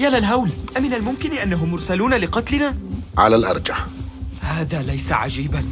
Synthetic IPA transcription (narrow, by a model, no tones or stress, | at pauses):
jaːlalɦawlʔamɪnalmʊmkɪnʔanːaɦʊmːʊɾˤsaluːnalɪqɑt̪lɪnaːʕa̰lalʔɑ̰ɾˤd͡ʒaħhaːðaːlajsaʕa̰d͡ʒiːban